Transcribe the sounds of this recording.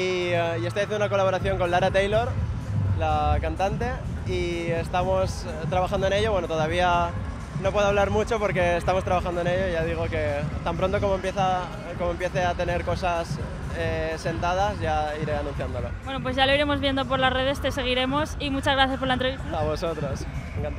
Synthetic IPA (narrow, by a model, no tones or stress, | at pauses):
iiest̪ojaθenunako̞laβo̞ɾaθjo̞ŋko̞nlaɾat̪ejlo̞ɾlakant̪ant̪e̞ | ie̞st̪amo̞s | t̪ɾaβaxand̪oe̞ne̞ʝo̞βwe̞not̪o̞ðaβ̞ia | no̞pwe̞ðoaβlaɾmut͡ʃo̞po̞ɾke̞ːst̪amost̪ɾaβaxandoe̞ne̞ʎo̞iʝað̞iɣ̞o̞ke̞t̪ampɾo̞nt̪oko̞moempje̞θa | ko̞moempje̞θe̞at̪e̞ne̞ɾko̞sas | ese̞nt̪að̞asʝaiɾe̞anũn̟θjand̪o̞lo̞̰bwenopwe̞zʝalo̞iɾe̞mo̞zβje̞nd̪o̞p̬o̞ɾlasre̞ð̞e̞st̪ese̞ɣ̞iɾe̞mo̞simut͡ʃazɣɾaθjaspoɾlaent̪ɾeiaβo̞so̞t̪ɾo̞seŋkant̪